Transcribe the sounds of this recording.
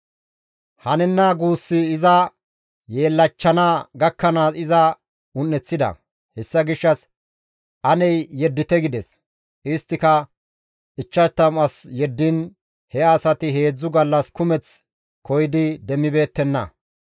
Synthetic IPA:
hɐnɛnːaɡuːsːɪːzɐ | je̞ːlːɐt͡ʃːɐnaːɡɐkːɐnaːsɪzɐ | ʊnːɛt͡sːɪd̪ɐ̰ | hɛsːɐɡɪʃːɐs | ʔɐnɛjːɛd̪ːɪt̪ɛɡɪd̪ɛs | ʔɪst̪ːɪkɐ | ɪt͡ʃːɐt̪ːɐmɐsjɛd̪ːɪn | hɛɐsɐt̪ɪɦe̞ːd͡zːʊɡɐlːɐskʊmɛt͡s | kʰɔjɪd̪ɪd̪ɛmːɪbe̞ːt̪ːɛnːɐ̰

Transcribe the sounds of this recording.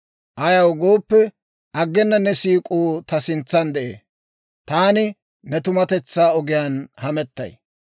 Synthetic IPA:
ʔɐjɐwɡo̞ːpːɛ | ʔɐɡːɛnːɐnɛsiːkʼuːt̪ɐsɪnt͡sːɐnd̪ɛʔḛː | t̪aːnɪ | nɛt̪ʊmɐt̪ɛt͡sːaːɔɡɪjaːnhɐmɛt̪ːɐ̰j

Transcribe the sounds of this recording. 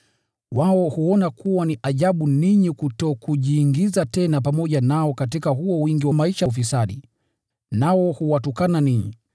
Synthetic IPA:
waɔhuɔnakuwaniʔaʄaɓuniɲikutɔkuʄiːŋɡizatɛnap̬amɔʄanaɔkat̬ikahuɔwiŋɡiwamaiʃaufisaɗi | naɔhuwatukananiɲḭ

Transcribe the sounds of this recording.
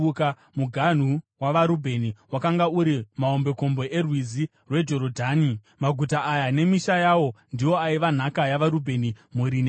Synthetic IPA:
uka | muɡʱan̤uwaʋaɾubʱe̞niwakaŋɡauɾimaombe̞ko̞mbo̞ʔe̞rwizi | rwe̞d͡ʒo̞ɾodʱaːni | maɡʱutaajane̞miʃajawo̞ndio̞aiʋan̤akajaʋaɾubʱe̞nimuɾine

